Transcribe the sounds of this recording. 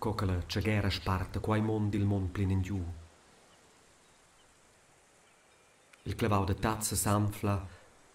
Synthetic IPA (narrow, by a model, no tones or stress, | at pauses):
kɔkələt͡ʃəɡɛɾəʃpart̪əkwajmɔnd̪ilmɔnplinəndjuː | ilkləvawd̪ət̪at͡səsamfla